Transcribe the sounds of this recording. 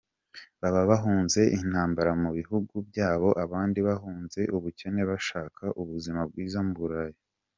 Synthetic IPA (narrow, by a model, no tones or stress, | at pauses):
βaβaβaɦuːnze̞ʔin̥haːmbaɾamuβiɦuɡubjaːβo̞ʔaβaːndiβahuːnze̞ʔuβuce̞ne̞βaʃaːkʰaʔuβuzimab̚ɡwiːzamubuɾaji